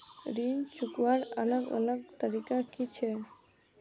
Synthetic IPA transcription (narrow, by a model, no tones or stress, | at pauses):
ɾint͡ʃukʋaɾələɡə̰ləɡt̪əɾikakit͡ʃʰe